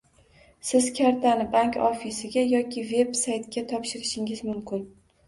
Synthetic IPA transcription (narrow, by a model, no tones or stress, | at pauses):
sɪz̥kʲʰaɾt̪ʰanɪbaŋkʲɒ̰fisɪɡʲajɒkʲʰɪve̞bsajt̪kʲat̪ʰɒpʃɪɾɪʃɪŋɪzmʊmkʲɪn